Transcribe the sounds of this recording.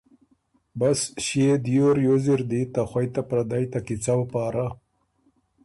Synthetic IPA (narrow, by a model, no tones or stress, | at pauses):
basʃed̪joɾjoziɾd̪it̪axwajt̪apɾad̪ajt̪akit͡sawpɑːɾa